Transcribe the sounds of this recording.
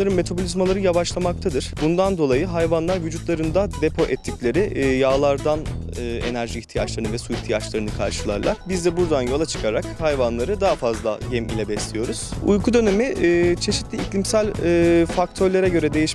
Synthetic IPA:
aɾɯnme̞t̪ʰabolʲizmalˠaɾɯjavaʃlˠamak̚t̪ʰad̪ɯɾ̥bund̪and̪o̞lˠajɯɦajvanlˠaɾvyd͡ʒut̪lˠaɾɯnd̪ad̪epʰo̞ʔɛt̪ʰːiclʲe̞ɾijaːlˠaɾd̪anɯːḛnæɾʒiːçt̪ʰijat͡ʃlˠaɾɯnɯvɛsuiçt̪ʰijat͡ʃlˠaɾɯnɯkʰa̰ɾʃɯlˠa̰ɾlˠaɾbizd̪ɛbuɾd̪anjo̞lˠat͡ʃʰɯ̥kʰaɾakhajvanlˠaɾɯd̪aɦafazlˠa̰ɟɛmḭlʲɛbɛslʲijo̞ɾuz̥ṵjkʰud̪ø̞ne̞miʔːt͡ʃʰe̞ʃi̥t̪lʲiiclʲimsælʲːfakt̪ʰøɾlʲeɾɛɟø̞ɾɛd̪e̞jiʃ

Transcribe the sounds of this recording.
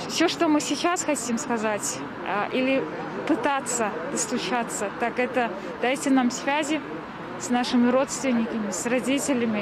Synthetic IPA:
fsʲoʂt̪omɨsʲɪt͡ɕasxɐtʲimskɐzatʲ | ʔilʲɪ | pɨt̪at̪səd̪̥əslˠʊt͡ɕat̪sət̪akɛt̪ə | d̪̥ajtʲɪnamsvʲazʲɪ | snaʂɨmʲɪɾo̞t̪st̪vʲɪnʲːɪkəmʲɪsrɐdʲitʲɪlʲɪmʲɪ

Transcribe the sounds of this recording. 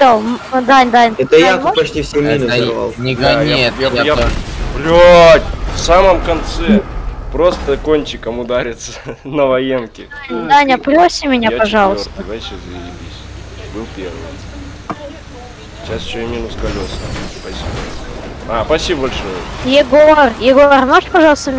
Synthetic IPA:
d̪amd̪anʲd̪anʲɛt̪əjapɐt͡ʃtʲifsʲomʲinʊa̰lˠj̪jajajaplʲotʲfsaməmkɐnt̪sɛpɾo̞st̪əkonʲt͡ɕɪkəmʊd̪aɾʲɪt̪sənəvɐjemkʲɪ | d̪anʲɐplʲosʲɪmʲɪnʲapɐʐɑlˠəsort̪əd̪vaɕezəɪlʲɪlʲisʲ | bɨlˠpʲervɨ̰j | ɕasɪɕomʲinʊskɐlʲo̞sspɐsʲibəoaspɐsʲibəbɐlʲʂojəjɪɡorjɪɡormoʐpɐʐɑlˠst̪əmʲ

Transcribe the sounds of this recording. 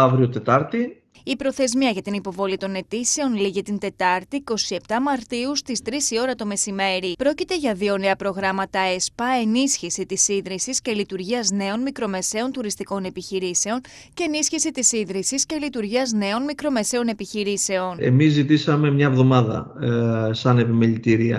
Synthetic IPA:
ɐvɾiot̪e̞t̪ɐɾt̪i | ipɾo̞θe̞zmiɐʝɐt̪inipo̞vo̞lit̪o̞ne̞t̪ise̞o̞nliʝit̪int̪e̞t̪ɐɾt̪iko̞sie̞pt̪ɐmɐɾt̪iust̪ist̪ɾisio̞ɾɐt̪o̞me̞sime̞ɾipɾo̞cit̪e̞ʝɐðio̞ne̞ɐpɾo̞ɣɾɐmɐt̪ɐespɐe̞nisçisit̪isiðɾisisce̞lit̪uɾʝiɐzne̞o̞nmikɾo̞me̞se̞o̞nt̪uɾist̪iko̞ne̞piçiɾise̞o̞n | ce̞ːnisçisit̪isiðɾisisce̞lit̪uɾʝiɐzne̞o̞nmikɾo̞me̞se̞o̞ne̞piçiɾise̞o̞ne̞̰mizːit̪isɐme̞mɲɐevðo̞mɐðɐ̰ | sɐne̞pimelit̪iɾiɐ̰

